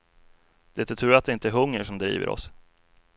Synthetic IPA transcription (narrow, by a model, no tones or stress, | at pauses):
d̪̥ɛt̪ət̪ʰʉ̟ːɾat̪̚d̪ɛɪnt̪əæɾɦɵŋːəʂɔmd̪ɾḭːvə̰ɾʔɔ̰s